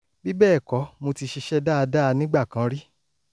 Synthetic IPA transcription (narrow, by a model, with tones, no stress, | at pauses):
bi˦bɛː˦˨kɔ˨˦mo˧ti˧ʃi˧ʃɛ˦da˦˧da˦˧nĩ˦ɡ͡ba˦˨kã˨˦ɾi˦